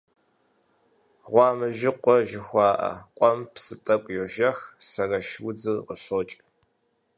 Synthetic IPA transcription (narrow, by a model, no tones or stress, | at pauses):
ʁʷɑːmɨʒɪqʷɔʒɪxʷɑːʔɐ̰qʷʼɔmpsɨtʼɐkʷʼjɛʒɐxsɐrɐʃwʊd͡zɨʁəɕoːt͡ʃʼ